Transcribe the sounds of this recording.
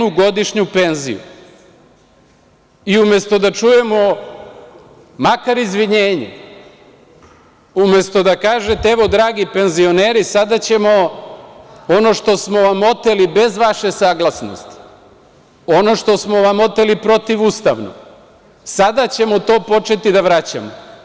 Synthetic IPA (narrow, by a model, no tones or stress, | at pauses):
uɡo̞d̪iʃɲupe̞nzḭṵ | iume̞st̪o̞d̪at͡ʃuje̞mo̞ | makaɾizʋiɲeːɲḛ | umje̞st̪o̞d̪akaːʒet̪eeʋo̞d̪ɾaːɡipe̞nzio̞neːɾisad̪at͡ɕe̞mo̞ | ono̞ʃt̪o̞smo̞ʋamo̞t̪e̞libe̞zʋaʃesaːɡlˠasno̞̰st̪i̥ | o̞no̞ʃt̪o̞smo̞ʋamo̞t̪elipɾo̞t̪iʋust̪a̰ʋno̰ | sad̪at͡ɕe̞mot̪o̞ːpo̞t͡ʃe̞t̪id̪aʋɾat͡ɕa̰mo